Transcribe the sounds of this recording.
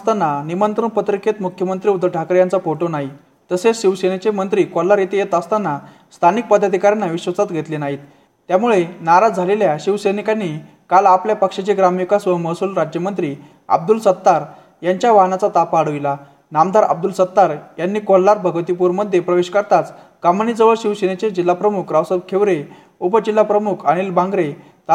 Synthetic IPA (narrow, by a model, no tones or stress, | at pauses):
t̪anːanimənt̪ɾəɳpət̪ɾiket̪mukʰjəmənt̪ɾiːud̪ʱəɭʈʰakəɾjant͡safoʈonaɦi | t̪əseɕiʋsenet͡ɕemənt̪ɾiːkɔlːaɾjet̪ejet̪əst̪anːa | st̪ʰanik̚pəd̪ʱːad̪ʱikaɾjanːaʋiɕʋət͡sat̪ɡʱet̪lenaɦiːt̪ː | jamuɭenaɾad͡zʱaleljaɕiʋsenikanːi | kalapljapəkʂet͡ɕeɡɾamikasʋəɦməsuːlɾad͡ʑjəmənt̪ɾiː | a̰b̚d̪ulsət̪ːaɾ | jaɲt͡ɕjaʋaɦnat͡sat̪apaːɽ̤əʋila | namd̪ʱaɾa̰b̚d̪ulsət̪ːaɾjanːiːkɔlːaɾbʱəɡət̪ipuɾməd̪ʱːjepɾəʋeɕkəɾt̪at͡s | kamənid͡zəʋəɭɕiʋsenet͡ɕed͡ʑilːapɾəmukʰɾawsəbkʰeʋɾe | upəd͡ʑilːapɾəmukʰəɽ̃ilbãŋɡɾe | t̪